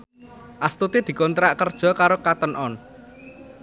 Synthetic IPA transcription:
ʔast̪ut̪id̪̥i̤kont̪ɾaʔkərd̥ʒ̥ɔ̤kaɾokat̪ənʔɔn

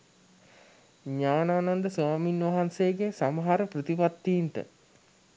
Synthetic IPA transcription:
ɲaːnaːnand̪əsaːminʋaɦanseːɡesaməɦaɾəprət̪ipat̪ːiːnt̪ə̰

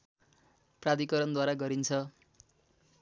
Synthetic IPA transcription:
prad̪ikʌɾʌnd̪waɾaɡʌɾint͡sʰʌ

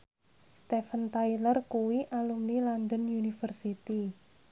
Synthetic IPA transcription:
st̪efənt̪ailərkuwiʔalumnilɔnd̪ənjunifərsit̪i

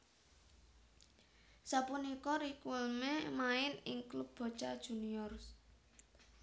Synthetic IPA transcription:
sapunikɔɾikʊlmemaɪnɪŋklub̚b̥ɔ̤̥t͡ʃad̥ʒ̥ṳniɔr

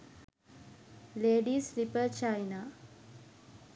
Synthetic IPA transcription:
leːɖiːslipət͡ʃajna

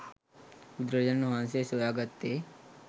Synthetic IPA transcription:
ud̪ɾəd͡ʑənːuʋãnsesojaɡət̪ːe

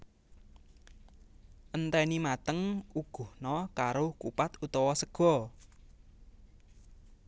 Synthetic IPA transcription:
ʔənt̪ɛnimat̪əŋuɡ̥ṳhnɔkaɾokupat̪ut̪ɔwɔsəɡ̥ɔ̤

